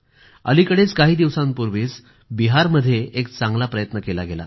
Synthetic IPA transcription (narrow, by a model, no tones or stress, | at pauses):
ə̰likəɽet͡skaɦiːd̪iʋsãmpuɾʋiːt͡s | biɦaɾməd̪ʱːjeek̚t͡sãŋɡlapɾəjət̪nəkelaɡela̰